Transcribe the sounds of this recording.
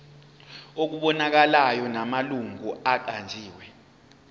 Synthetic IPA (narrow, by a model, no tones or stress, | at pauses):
ok̬uɓɔnak̬alajɔnamaluŋuaǃ̬and͡ʒʱiːwɛ